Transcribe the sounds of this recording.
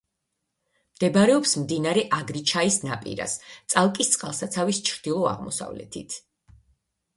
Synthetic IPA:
md̪̥ɛbɾɛɔpsmd̪inaɾɛʔaɡɾit͡ʃʰaisna̰pʼḭɾa̰st̪sʼalˠkʼist̪sʼqʼa̰lˠsat̪sʰavist͡ʃʰɾd̪̥ilˠɔa̰ʁmɔ̰sa̰vlɛ̰t̪ʰḭt̪ʰ

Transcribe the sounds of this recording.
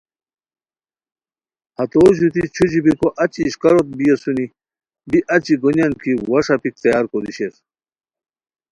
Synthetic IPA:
hɐt̪oːɕ̬ut̪it͡ɕʰud͡ʑibikoʔɐt͡ɕiːɕkɐɾot̪̚bijesuni | biʔɐt͡ɕiɡonjankiwɐʂapik̚t͡sɐjaːɾkod̪iɕes

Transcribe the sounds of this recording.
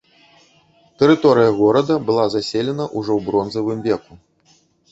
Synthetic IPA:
t̪ɛɾɨt̪ɔɾɨjɐɣɔɾɐd̪ɐbɨlˠazasʲelʲɛnɐʔuʐɔwbɾɔnzɐvɨmvʲɛku

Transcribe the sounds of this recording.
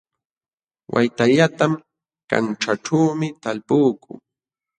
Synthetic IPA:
wʔa̰jt̪aʎat̪am | ka̰nʈ͡ʂaʈ͡ʂaːmɪt̪alpuːkʊ̰ː

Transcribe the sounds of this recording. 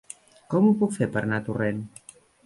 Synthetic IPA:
kɔmupɔkfeɾpəɾnat̪uren

